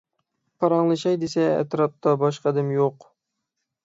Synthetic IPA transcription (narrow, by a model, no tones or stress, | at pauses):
pʰɑɾɑŋlˠɨʃɑjd̪esɛ̰ːt̪ɾɑp̚t̪ʰɑbɑʃqɑd̪ɨmjoq